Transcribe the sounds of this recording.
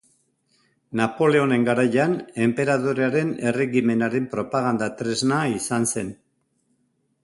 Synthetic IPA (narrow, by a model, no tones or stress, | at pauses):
napo̞le̞o̞ne̞ŋɡaɾajane̞mpe̞ɾaðoɾeaɾe̞ne̞re̞ɣime̞naɾe̞mpɾo̞paɣ̞and̪at̪ɾe̞znaisanse̞n